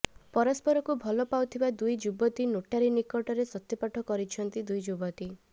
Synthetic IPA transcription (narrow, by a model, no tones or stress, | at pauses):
pɔɾɔspɔɾɔkubʱɔlɔpawt̪ʰibad̪ujd͡ʒubɔt̪inoʈaɾinikɔʈɔɾesɔt̪ːipaʈʰɔkɔɾit͡ʃʰɔnt̪id̪ujd͡ʒubɔt̪i